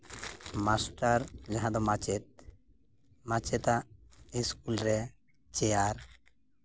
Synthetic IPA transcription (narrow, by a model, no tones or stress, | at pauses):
masʈaɾd͡ʒaɦãd̪ɔmat͡ʃɛt̪̚ | mãt͡ʃɛt̪aʔiskulɾɛ | t͡ʃɛjaɾ